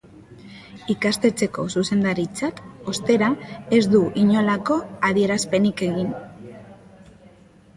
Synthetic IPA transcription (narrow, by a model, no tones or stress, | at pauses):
ikast̪e̞t͡se̞ko̞suse̞nd̪aɾit͡sat̪ost̪e̞ɾae̞zd̪uʔiɲo̞lako̞aðie̞ɾaspe̞nike̞ɣin